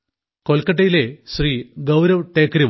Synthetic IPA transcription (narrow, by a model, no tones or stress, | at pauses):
ko̞lkɐʈ̬ːɐjile̞ɕriːɡɐwɾɐʋʈeːkːɐɾiʋ